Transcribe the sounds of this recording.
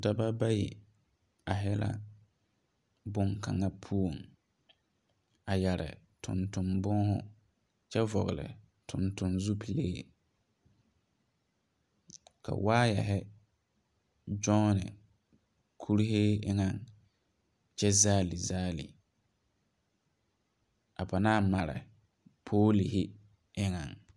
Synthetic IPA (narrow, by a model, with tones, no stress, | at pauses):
da˦ba˦ba˦jḭ˨ | a˨ɦɛ˦la̰˦ | bʊ˦ŋka̰˨ŋa˦pʰu˦o˨ŋ | a˨jɛ˨ɾɪ̰˨ | tʰʊ̰˨ntʊ˨mbʊ˦ɦʊ̰˦ | t͡ʃɛ˦vɔ˨ɣɪ˨lɪ̰˨ | tʰʊ̃˨ntʊ˨nzu˦pʰi˨leː˦ | kʰa̰˨waː˦jɛ˨ɦɛ˦ | d͡ʒɔ˦nɪ̰˨ | kʰu˦ɾi˦ɦe˦ɪ˦ŋa˨ŋ | t͡ʃɛ˦zaː˦li˨zaː˦lḭ˨ | a˨pa˨naː˦ma˨ɾɪ̰˨ | pʰoː˦li˨hɪ˦ | ɪ˦ŋa̰˨ŋ